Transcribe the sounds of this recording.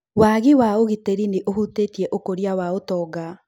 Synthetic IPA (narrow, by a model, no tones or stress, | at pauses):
waːɣiwaoɣiteɾineʔohutetiɛʔokoɾiawaotɔːɡa